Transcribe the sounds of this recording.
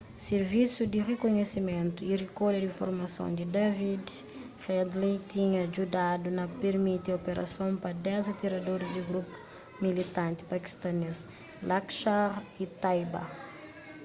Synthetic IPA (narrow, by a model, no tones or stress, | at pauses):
seɾvisud̪irekoɲesimẽnt̪uirikoɾdɐdĩfo̰ɾmɐsõ̰d̪id̪avid̪ | fɛd̪lit̪iɲɐd͡ʒudad̪unɐpeɾmit̪iopeɾɐ̰sõpɐd̪ɛzɐt̪iɾɐd̪oɾizd̪iɡɾupu̥ | milit̪ãnt̪i̥pɐki̥st̪ɐnes | lakʃaɾit̪ajba̰